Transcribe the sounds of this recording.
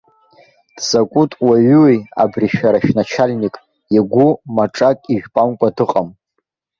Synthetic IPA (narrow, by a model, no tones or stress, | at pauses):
d̥z̥akʷʼutʼwaɥweja̰briʃᶣaɾaʃᶣnat͡ʃʰalʲnikʼ | jaɡʷumaʈ͡ʂʼakʼiʒᶣpʼamkʷʼadɨqʼam